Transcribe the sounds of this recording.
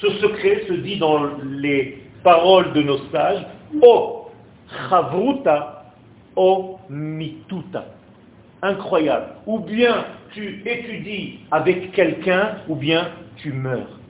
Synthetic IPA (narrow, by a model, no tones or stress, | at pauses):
səsəkχɛsəd̪id̪ɑ̃lepaʁɔld̪ənosaʒɔ | χavʁut̪a | ɔmit̪ut̪a̰ | ɛ̃kχwaja̰blubjɛ̃t̪yet̪yd̪iavɛkːɛlkɛ̃ubjɛ̃t̪ymœːʁ